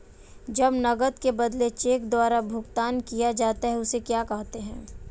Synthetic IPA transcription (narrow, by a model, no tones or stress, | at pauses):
d͡ʒɐbnɐɡət̪kebɐd̪let͡ʃeːkd̪waːɾabʱʊkt̪aːnkijad͡ʒaːt̪aɦɛʊsekjaːkɐɦt̪eɦɛ̃ː